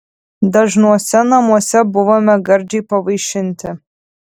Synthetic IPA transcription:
d̪ɐʒnuɔsʲɛnɐmuɔsʲɛbʊʋoːmʲɛɡɐɾʲd͡ʒʲɛɪpɐʋɐɪʃʲɪnʲt̪ʲɪ

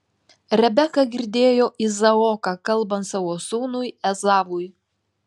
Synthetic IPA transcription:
ɾʲɛbʲɛkɐɡʲɪɾʲd̪ʲeːjoːʔizɐɔːkɑkɐlˠbɐnt̪sɐʋoːsuːnʊjɛzɑːʋʊj

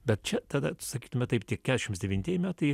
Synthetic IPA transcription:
bʲɛt̪̚t͡ʃʲɛt̪ɑːd̪ɐsɐkʲiːt̪ʊmʲɛt̪ɐɪpt̪ʲiɛkkʲæːd̪ʲɛʃʲɪmt̪sd̪ʲɛʋʲinʲtʲiɛjɪmʲæːt̪ɐɪ

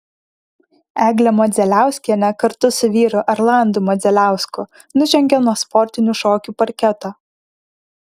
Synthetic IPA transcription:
æːɡlʲɛmɔd̪zʲɛlʲæˑʊsʲkʲiɛnʲɛkɐɾt̪ʊsʊʋʲiːɾʊʔɐɾlˠɑˑnd̪uːmɔd̪zʲɛlʲæˑʊskʊ | nʊʒʲɛŋʲɡʲɛnuɔspɔɾʲt̪ʲɪnʲuˑʃoːkʲuːpɐɾʲkʲɛt̪oː

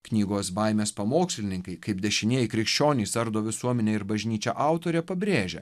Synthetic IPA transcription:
knʲiːɡoːsbɐɪmʲeːspɐmoːksʲlʲɪnʲɪŋkɐɪkɐɪpd̪ʲɛʃʲɪnʲeɛjɪkɾʲɪkʃʲt͡ʃʲoːnʲiːsɐɾd̪oːʋʲɪsuɔmʲɛnʲeːɪɾbɐʒʲnʲiːt͡ʃʲɛːʔɑˑʊt̪oːɾʲɛpɐbʲɾʲeːʒʲɛ̰

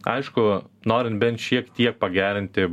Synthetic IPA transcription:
ɐɪʃkʊnoːɾʲɪnt̪̚bʲɛnt̪ʃʲiɛkt̪ʲiɛk̚pɐɡʲæːɾʲɪnʲt̪ʲɪ

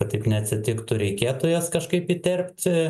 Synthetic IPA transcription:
ɐt̪ʲɐɪpnʲɛɐt̪ʲsʲɪt̪ʲɪkt̪ʊɾʲɛɪkʲeːt̪oːjɛskɐʃkɐɪpit̪ʲɛrʲpʲt̪ʲ

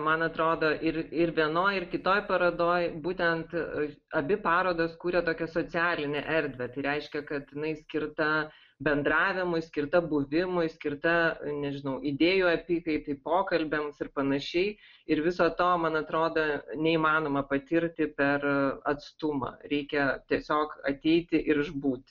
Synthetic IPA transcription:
mɐnɐt̪ɾoːd̪oːʔɪɾɪɾʋʲiɛnoːjɪrkʲɪt̪oːjpɐɾɐd̪oːjbuːt̪ʲɛnt̪ | ɐbʲɪpɑːɾoːd̪oskuːɾʲɛt̪oːkʲɛsoːt͡sʲɪæːlʲɪnʲɛʔɛɾʲd̪ʲʋʲɛt̪ɐɪɾʲɛɪʃʲkʲɛkɐt̪jɪnɐɪsʲkʲɪɾt̪ɐ | bʲɛnd̪ɾɑːʋʲɪmʊɪsʲkʲɪɾt̪ɐbʊʋʲɪmʊɪsʲkʲɪrt̪ɐnʲɛʒʲɪnɐʊʔid̪ʲeːjuɐpʲiːkɐɪt̪ɐɪpoːkɐlʲbʲɛmsɪrpɐnɐʃʲɛɪ | ɪɾʋʲɪsoːt̪oːmɐnɐt̪ɾoːd̪ɐnʲɛiːmɑːnoːmɐpɐt̪ʲɪɾʲt̪ʲɪpʲɛrɐt̪st̪ʊmɐ̰ːɾʲɛɪkʲɛt̪ʲiɛsʲoːkɐt̪ʲɛɪt̪ʲɪʔɪɾʒbuːt̪ʲ

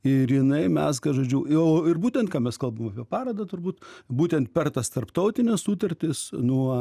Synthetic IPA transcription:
ɪrjɪnɐɪmʲɛsɡɐʒoːd͡ʒʲuʊoːɪrbuːt̪ʲɛnt̪kɑːmʲɛskɐlˠbɐmmɐpʲiɛpɑːɾɐd̪ɐt̪ʊrbuːt̪buːt̪ʲɛnt̪pʲɛrt̪ɐst̪ɐrpt̪ɐʊt̪ʲɪnʲɛssuːt̪ɐɾʲt̪ʲɪsnuɔ

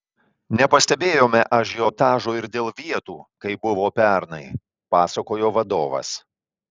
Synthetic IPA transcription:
nʲɛpɐsʲt̪ʲɛbʲeːjoːmʲɛʔɐʃ̬joːt̪ɑːʒoːɪɾd̪ʲeːlˠʋʲiɛt̪uːkɐɪbʊʋoːpʲɛɾnɐɪ | pɑːsɐkoːjoːʋɐd̪oːʋɐ̰s

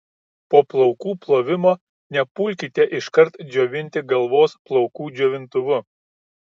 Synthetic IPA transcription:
poːplˠɔʊkuːplˠoːʋʲɪmoː | nʲɛpʊlʲkʲit̪ʲeʔɪʃkɐɾt̪d͡ʒʲoːʋʲɪnʲt̪ʲɪɡɐlˠʋoːsplˠɔʊkuːd͡ʒʲoːʋʲɪnt̪ʊʋʊ

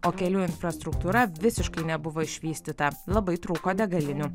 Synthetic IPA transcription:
oːkʲɛlʲuːɪnfɾɐst̪ɾʊkt̪uːɾɐʋʲɪsʲɪʃkɐɪnʲɛbʊʋoːɪʃʲʋʲiːsʲt̪ʲɪt̪ɐlˠɐbɐɪt̪ɾuːkoːd̪ʲɛɡɐlʲɪnʲu

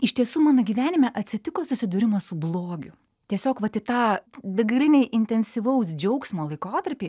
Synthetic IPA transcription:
ɪʃt̪ʲiɛsuːmɑːnoːɡʲiːʋʲæːnʲɪmʲɛʔɐt̪ʲsʲɪt̪ʲɪkoːsʊsʲɪd̪ʊɾʲɪmɐsʊblˠoːɡʲʊ | t̪ʲiɛsʲoːkʋɐt̪ʲɪt̪ɑːd̪ɐɡɐlʲɪnʲɛɪʔɪnʲt̪ʲɛnʲsʲɪʋɐʊsd͡ʒʲɛʊksmoːlˠɐɪkoːt̪ɐɾʲpʲiː

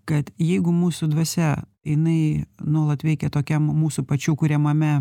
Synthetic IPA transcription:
kɐt̪jɛɪɡʊmuːsʊd̪ʋɐsʲɛ | jɪnɐɪnuɔlˠɐt̪ʋʲɛɪkʲɛt̪oːkʲɛmmuːsʊpɐt͡ʃʲuːkʊɾʲɛmɐmʲɛ

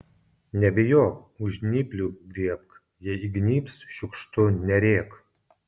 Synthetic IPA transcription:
nʲɛbʲɪjoːkʊʒʲnʲɪpʲlʲud̪ʲiɛp̚k | jɛiɡnʲiːpsʃʲʊkʃt̪ʊnʲɛɾʲeːk

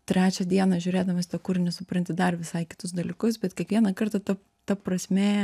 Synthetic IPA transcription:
t̪ʲɾʲæːt͡ʃʲɛd̪ʲiɛnɐʒʲʊːɾʲeːd̪ɐmɐsʲt̪ʲɛkʊrnʲɛsʊpɾɐnʲt̪ʲɪd̪ɐrʋʲɪsɐɪkʲɪ̥t̪ʊsd̪ɐlʲɪkʊsbʲɛt̪kʲiɛkʋʲiɛnɐkɐrt̪ɐt̪ɐp | t̪ɐprɐsʲmʲeː

